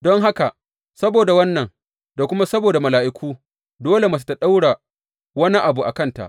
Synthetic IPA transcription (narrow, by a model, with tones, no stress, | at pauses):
dɔ˦ŋɦa˦ka˨ʔ | sɐ˦boː˨da˨wɐ˦nːɐ˨ŋ | da˨kʷʊ˦ma˦sɐ˦boː˨da˨mɐ˨laː˨ʔɪ˦kʷʰuː˦ | doː˦le˨ma˨s̬u̥˦ta˨ɗa˦wɽa˨ | wɐ˦ni˦ʔa˨bu˨ʔa̰˨kɐ˦nta̰˨ʔ